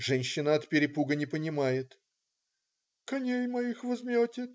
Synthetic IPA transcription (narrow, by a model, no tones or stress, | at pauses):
ʐɛnʲɕːɪnəɐt̪pʲɪɾʲɪpuɡənʲɪpənʲɪmajɪt̪ | kɐnʲejmɐjixvɐzmʲotʲɪ